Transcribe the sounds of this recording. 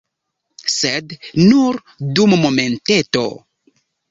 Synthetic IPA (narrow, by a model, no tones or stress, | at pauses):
sednuɾ | dummo̞me̞nteto̞̰